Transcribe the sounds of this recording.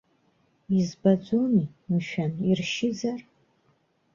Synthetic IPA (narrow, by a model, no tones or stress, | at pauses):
izbad͡ʒʷoni | m̩ʃᶣanirʃɪd͡zar